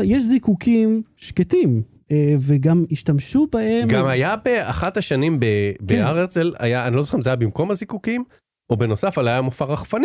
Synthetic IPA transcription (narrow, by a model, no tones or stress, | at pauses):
jeʃzikukimʃketim | eveɡamiʃtamʃubahe̞mɡamajabea̰χat̪haʃanimbebeaʁet͡sela̰jaanilozoχeimʃzeajabimko̞mazikukim | ʔobe̞nosafalajamofaʁaχfani